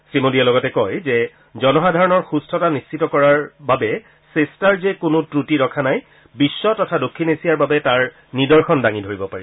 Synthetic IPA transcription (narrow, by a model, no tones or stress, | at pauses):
sɹimodiɛlɔɡɔtɛkɔjzɛ | zɔnɔxadʱaɹɔnɔɹxustʰɔtanist͡ʃitɔkɔɹaɹbabɛ | sestaɹzekʊnʊtɹutiɹɔkʰanaj | bisːɔtɔtʰadokʰːinesijaɹbabɛtaɹ | nidɔɹxɔndaŋidʱoɹibɔpaɹi